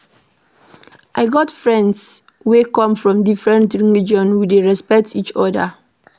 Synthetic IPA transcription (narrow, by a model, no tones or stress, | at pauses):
ʔaɪɡɔtfɹɛ̃nds | wekɔ̃mfɹɔ̃mdifɹɛ̃ntɹilid͡ʒɔ̃nwideɹɛspɛk̚tit͡ʃɔda̰